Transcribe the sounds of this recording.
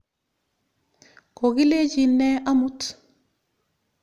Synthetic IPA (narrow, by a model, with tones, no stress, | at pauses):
ko˨ɡi˦le˦d͡ʒi˨nːɛ˦ʔa˦mut